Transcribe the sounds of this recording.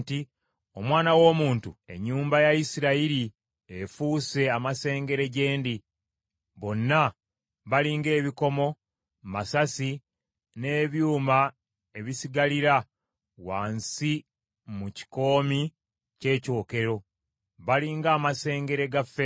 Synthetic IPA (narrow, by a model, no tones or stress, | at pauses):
ti | o̞mwaːnawo̞ːmuːntue̞̰ɲːuːmbajaisiɾaiɾi | efuːse̞amase̞ːŋɡe̞ɾe̞ɟe̞ːndi | βo̞nːa | βaliːŋɡe̞ːβiko̞mo̞ | masasi | ne̞ːβjuːma | e̞βisiɡaliɾa | waːnsi | muci̥ko̞ːmi | ce̞ːco̞ːke̞ɾo̞ | βaliːŋɡaːmase̞ːŋɡe̞ɾe̞ɡafe